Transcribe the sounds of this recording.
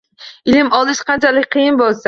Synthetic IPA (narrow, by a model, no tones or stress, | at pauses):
ɪlɪmɒlˠɪʃqʰɑnt͡ʃʰalɪk̚ʲqʰɨjɪnbolˠsa